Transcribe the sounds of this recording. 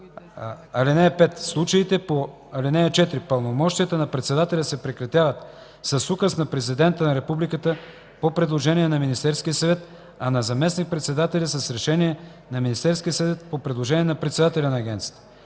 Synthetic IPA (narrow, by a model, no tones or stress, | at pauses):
ɐlinɛpɛt̪slˠut͡ʃəit̪ɛpo | ɐlinɛɛt͡ʃɛt̪ɾipəlˠnomɔʃt̪ijət̪ənɐpɾɛt̪sɛd̪at̪ɛlʲəsɛpɾɛkɾɐt̪ʲjavət̪ | sɐsukəsnɐpɾɛzid̪ɛnt̪ənɐɾɛpublikət̪ə | popɾɛd̪lˠoʒɛniɛnɐminist̪ɛɾskʲijəsɐvɛt̪ | ɐnɐzɐmɛsnik̚pɾɛt̪sɛd̪at̪ɛlʲɐsɐsɾɛʃɛniɛ | nɐminist̪ɛɾskʲijəsɐvɛt̪̚popɾɛd̪lˠoʒɛniɛnɐpɾɛt̪sɛd̪at̪ɛlʲɐnɐːɡʲɛnt̪si̥jə̥t̪ə̥